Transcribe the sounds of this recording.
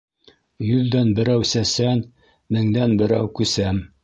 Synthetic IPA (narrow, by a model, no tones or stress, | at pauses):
jɵðdænbɘ̆ɾæwsæsæn | mɘ̆ŋd̪ænbɘ̆ɾæ̰wkʉsæm